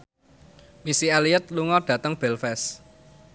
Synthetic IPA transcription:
misialiət̪̚luŋɔɖ̥ä̤t̪əŋb̥ɛ̤lfɛs

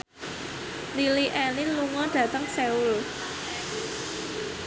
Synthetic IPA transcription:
liliʔɛlinluŋɔd̥ä̤t̪əŋseul

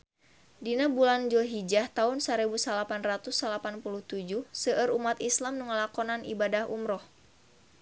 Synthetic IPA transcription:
dinabuland͡ʒuɦid͡ʒaht̪aunsaɾibusalapanrat̪usalapanpuluht̪ud͡ʒuhsəʔəɾumat̪islamnuŋəlakɔnanḭbadahumɾɔh

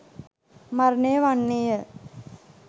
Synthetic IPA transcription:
maɾnejəʋanːejə

